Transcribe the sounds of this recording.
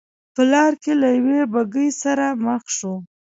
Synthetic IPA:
pəlɑɾkelajawebaɡəjsaɾaməxʃo

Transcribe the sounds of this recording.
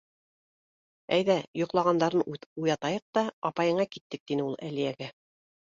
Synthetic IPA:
æjðæjŏqlˠɑʁɑnd̪ɑɾɤnujɑt̪ɑjɤq̚t̪ɑɑpɑjɤ̆ɴɑkit̪ːɘk̚t̪inɘulˠælijæɡæ

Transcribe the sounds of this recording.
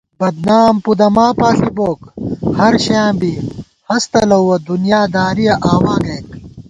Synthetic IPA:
bɐd̪naːmpud̪ɐmaːpaːfiboːkhɐɾɕãːbi | hɐst̪ɐlɐwwɐd̪unjaːd̪aːɾijɐʔaːwaːɡeːk

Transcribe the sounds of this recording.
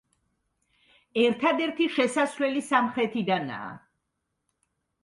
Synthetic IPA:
ɛɾt̪ʰad̪ɛɾt̪ʰiʃɛsasvlɛlisamχɾɛt̪ʰid̪ana̰ː

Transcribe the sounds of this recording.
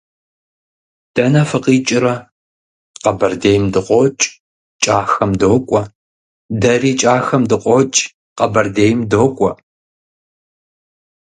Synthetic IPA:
d̥ɐnɐfɨqiːt͡ʃʼɪɾɐ | qɐbɐrdeːjmdɨqʷɔt͡ʃʼ | t͡ʃʼaːxɐmdoːkʷʼɔ | dɐriːt͡ʃʼaːxɐmdɨqʷʼɔt͡ʃʼ | qɐbɐrdeːjmdoːkʷʼɔ

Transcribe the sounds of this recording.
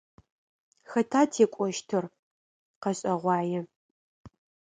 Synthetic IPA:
xɐtʰaːtʰeːkʷʼɔʃtʰɨr | qɐɕʼɐʁʷɑːjɛ

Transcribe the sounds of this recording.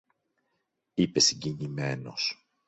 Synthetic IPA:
ipe̞siɲɟiɲime̞no̞s

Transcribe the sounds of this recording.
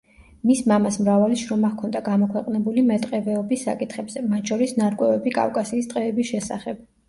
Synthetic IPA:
mismamasmɾavaliʃɾɔmakʰɔnd̪aɡamɔkʰwɛqʼnɛbulimɛt̪ʼqʼɛvɛɔbisːa̰kʼit̪ʰχɛbzɛmat̪ʰʃʰɔɾisnaɾkʼwɛvɛbikʼa̰fkʼasiːst̪ʼqʼɛːbisʃɛsa̰χɛb̥

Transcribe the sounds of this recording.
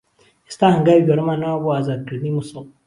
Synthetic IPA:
estahaŋɡaiβʲjoɾomanaβazaɡilnimuso

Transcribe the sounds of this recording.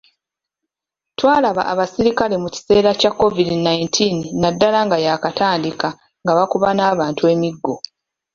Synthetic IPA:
twaːlaβa̰ʔaβasiɾikale̞muci̥se̞ːɾacakːo̞vidinajintʰinːadːalaŋɡajaːkataːndika | ŋɡaβakuβanaːβaːntue̞ːmiɡːo̞

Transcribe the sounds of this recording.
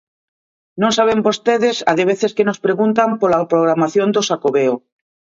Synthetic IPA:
nõŋsaβembost̪eðesa̰ðeβeθeskenospɾeɣunt̪ampolapɾoɣ̞ɾamaθjond̪oʃakoβeo

